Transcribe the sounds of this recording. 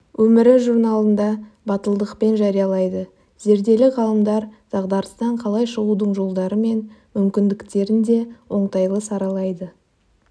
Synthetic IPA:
wɵmɪɾɪʒuɾnɑlˠənd̪ɑ | bɑt̪əlˠd̪əqpe̞nʒɑɾijɑlˠɑjd̪ə | ze̞ɾd̪e̞lɪʁɑlˠəmd̪ɑɾz̥ɑʁd̪ɑɾəst̪ɑɴqʰɑlˠɑjʃəʁud̪əɴʒo̞lˠd̪ɑɾəme̞nmʏmkʲɪnd̪ɪkt̪e̞ɾɪnd̪e̞wo̞ɴt̪ɑjlˠəsɑɾɑlˠɑjd̪ə

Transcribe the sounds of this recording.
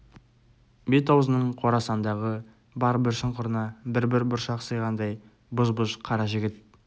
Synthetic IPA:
bet̪owzənəɴqʰo̞ɾɑsɑnd̪ɑʁə | bɑɾəbɪɾʃəɴqʰʊɾənɑbɪɾbɪɾbʊɾʃɑqsəjʁɑnd̪ɑj | bʊzbʊʃqʰɑɾɑʒɪɡʲɪt̪̚

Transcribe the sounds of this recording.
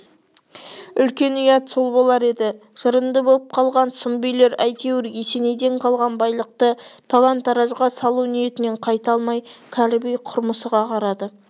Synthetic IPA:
ʏlkʲe̞nʏjɑt̪solˠbo̞lˠɑɾe̞d̪ɪ | ʒ̥əɾənd̪əbolˠəp̚qʰɑlˠʁɑnsʊmbijle̞ɾæjt̪ʰewɪɾjese̞ne̞jd̪e̞ɴqʰɑlˠʁɑnbɑjlˠəq̚t̪ət̪ʰalˠɑnt̪ɑɾɑʒʁɑsɑlˠunije̞t̪ɪne̞ɴqʰɑjt̪ɑlˠmɑjkʲʰælɪbijqʰʊɾməsəʁɑqʰɑɾɑd̪ə

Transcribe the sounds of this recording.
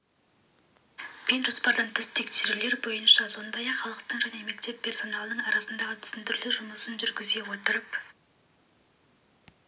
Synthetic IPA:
b̥enʒo̞spɑɾd̪ɑɴt̪ʰɪst̪ʰekt̪ʰɪle̞ɾbo̞jənʃɑso̞nd̪ɑjɑχɑlˠəqt̪əɴʒæne̞me̞k̚t̪e̞pʲʰːe̞rso̞nɑlˠd̪əɴɑɾɑsənd̪ɑʁət̪ʰʏ̥sɪnt̪ɪɾlɪʒʊməsənʒʏɾɡʲɪzɡe̞wo̞t̪əɾəp

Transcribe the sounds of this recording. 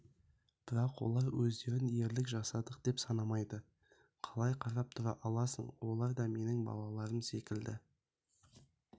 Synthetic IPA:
b̥ɪɾɑqwo̞̰lˠɑɾwɵzd̪e̞ɾɪne̞ɾlɪkʒɑsɑd̪əq̚d̪̥e̞psɑnɑmɑjd̪ə | qʰɑlˠɑjqʰɑɾɑp̚t̪ʰʊɾɑ̰ʔɑlˠɑsə̰ɴwo̞lˠɑɾd̪ɑme̞nɪŋbɑ̰lˠɑlˠɑɾəmse̞kʲɪld̪ɪ

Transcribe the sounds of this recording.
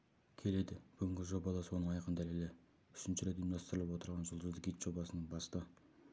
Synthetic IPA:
kʲʰe̞le̞d̪ɪb̥ʏɡʲɪŋʲɡʲɪʒo̞bɑd̪ɑswo̞nəɴɑjqənd̪ælelɪ | ʏʃɪnʃɪɾe̞t̪jmd̪ɑst̪əɾəlˠəpwo̞t̪əɾʁɑnʒʊlˠd̪əzd̪əkijt̪ʒ̥o̞bɑsənəɴbɑst̪ə

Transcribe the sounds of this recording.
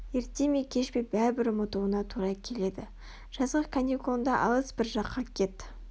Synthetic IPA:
je̞ɾt̪ːe̞mekʲʰe̞ʃpe̞jbæɾɪbɪɾmot̪uwənɑt̪ʰuɾɑkʲʰe̞le̞d̪ɪ | ʒ̥ɑzʁəkʰanʲikoənd̪ɑʔɑ̰lˠəsbɪɾʒɑqːɑkʲʰe̞t̪ɪ

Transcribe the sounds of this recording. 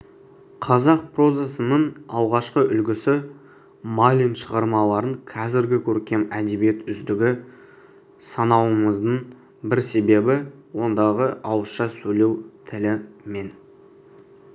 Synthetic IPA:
qʰɑzɑq̚pro̞zɑsənəɴɑlˠʁɑʃqəʔʏlɡʲɪsɪ | malʲijnʃəʁɑɾmɑlˠɑɾəɴqʰɑzɪɾɡʲɪkʲʰɵɾkʲe̞mæd̪e̞bije̞t̪ʏzd̪ɪɡʲɪ | sɑnɑwəməzd̪əɴ | bɪɾse̞be̞bɪwo̞nd̪ɑʁəɑwəsʃɑsɵle̞wt̪ʰɪlɪme̞n

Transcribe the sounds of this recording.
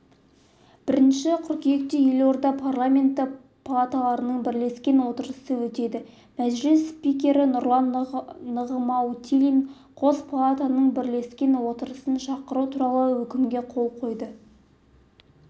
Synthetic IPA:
b̥ɪɾɪnʃɪqʰʏɾkʲije̞k̚t̪eje̞lwo̞ɾd̪ɑpʰarlˠamʲe̞nt̪ːə | pʰalˠat̪alˠɑɾənəɴbɪɾle̞skʲe̞nwo̞t̪əɾəsəwɵt̪e̞d̪ɪ | mæʒlɪsspikʲe̞ɾɪnʊɾlˠɑnːəʁəmɑwt̪ʲʰilʲin | qʰo̞zpʰalˠat̪anəɴbɪɾle̞skʲe̞nwo̞t̪əɾəsənʃɑqəɾut̪ʰuɾɑlˠəwɵkʲɪmɡʲe̞qʰo̞lˠqʰo̞jd̪ə

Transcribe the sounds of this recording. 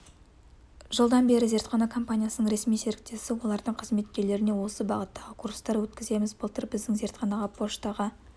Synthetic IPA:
ʒəlˠd̪ɑnbe̞ɾɪze̞ɾt̪χɑnɑkʰo̞mpanʲijasənəɴɾe̞smijse̞ɾɪk̚t̪e̞sɪwo̞lˠɑɾd̪əɴqʰəzme̞t̪̚kʲe̞le̞ɾɪne̞wosəbɑʁət̪ːɑʁəkʰurst̪ɑɾwɵt̪kʲɪze̞mɪzbəlˠt̪əɾbɪzd̪ɪŋze̞ɾt̪χɑnɑʁɑpʰo̞ʃt̪ɑʁə

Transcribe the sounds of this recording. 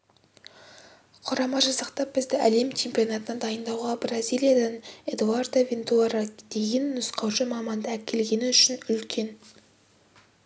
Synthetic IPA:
qʰʊɾɑmɑʒɑzɑqt̪ɑp̚b̥ɪzd̪ɪʔæle̞mt͡ʃʰe̞mpʲijo̞nɑt̪ənɑd̪ɑjənd̪ɑwʁɑbrazʲijlʲijad̪ɑne̞d̪uard̪ovʲent̪uaɾad̪̥e̞ɡʲenːʏsqɑwʒəmɑmɑnd̪ɑækʲʰe̞lɡʲe̞nɪʏʃɪnʏlkʲʰe̞n

